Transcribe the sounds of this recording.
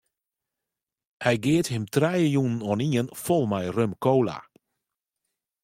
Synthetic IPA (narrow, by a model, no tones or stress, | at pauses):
hɛjɡeəthɪmtrɛjəjunən̩ɔniənfɔlˠmajrømkowla̰